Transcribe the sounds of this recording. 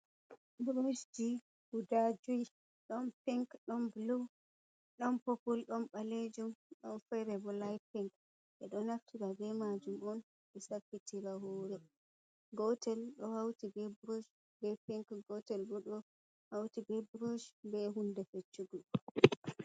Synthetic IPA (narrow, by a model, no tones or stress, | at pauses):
bɾod͡ʒd͡ʒi | hudad͡ʒuj | ɗɔnpiŋkɗɔnblu | ɗɔnpopulɗɔnɓaled͡ʒumɗɔnfɛɾɛbɔlajpiŋk | ʔɛɗɔnaftiɾabɛmad͡ʒumɔn | ɛsafːitʰiɾaɦoːɾɛ | ɡɔtɛlɗɔhawtibɛbɾod͡ʒ | bɛpiŋkɡɔtɛlbuɗɔ | hawtibɛbɾod͡ʒbɛɦundɛfet͡ʃːuɡu